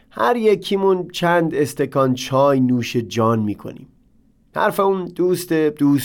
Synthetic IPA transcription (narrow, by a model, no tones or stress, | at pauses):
hæɾjekʰiːmunt͡ʃʰænd̪est̪ʰekʰɒnt͡ʃʰɒːjnuːʃed͡ʒɒːnmiːkʰo̰nḭːm | hæ̰ɾfeund̪̥uːst̪ed̪uːs